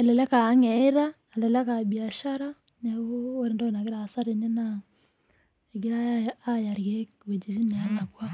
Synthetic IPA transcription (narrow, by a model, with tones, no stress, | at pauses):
ɛ˨lɛ˨lɛ˦ka˨˦ŋɛ˦ɾa˦ | ɛ˨lɛ˨lɛ˦ka˨bia˨ʃaɾa˦ | nɛ˨o˦o˦ɾe˨ndɔ˦e˨na˨ke˦ɾa˨sa˦ɾi˨ne˦na | ɛ˨ɡi˦ɾaː˦ja˨ɾɣe˦kwe˨d͡ʒi˨ɾi˦ni˨a˨la˨kwa˦